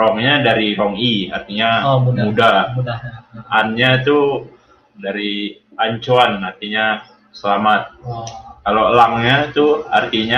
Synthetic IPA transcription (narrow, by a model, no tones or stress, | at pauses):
rɔŋɲadaɾiɾɔŋiart̪iɲaumuda | anɲat̪u | daɾi | aɲt͡ʃoanart̪iɲa | səlamat̪̚kalolaŋɲat̪ua̰rt̪iɲa